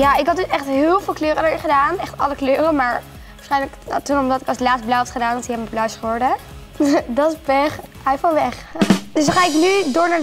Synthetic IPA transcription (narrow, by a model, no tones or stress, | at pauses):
jaɪkɦɑd̚dəsɛχtɦɪːlˠvɪːlˠkløːɾədəɹɪnχədaːnɛχtɑləkløːɾəmaːɹ | ʋaɹsχɛjnləknatunʊmdɑtɪkɑslaːt͡sst̚blɔwɛftχədaːnɑntiɦɛbmblœwsχəɔɹdə | dɑtspɛχ | ɛjfɔnʋɛχd̥øsχaːɪknydʊːɹnaːɹ